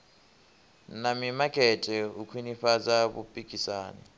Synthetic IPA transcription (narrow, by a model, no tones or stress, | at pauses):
namimakʼɛtʼɛukʰwiniɸad͡zaβṵpʼikʼisaːnɛ̰